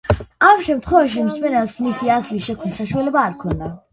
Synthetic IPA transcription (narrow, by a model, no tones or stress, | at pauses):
amʃɛmt̪ʰχwɛvaʃ̬imsmɛnɛsmisiazlisʃɛkʰmnisaʃualɛbaːɾkʰɔnd̪a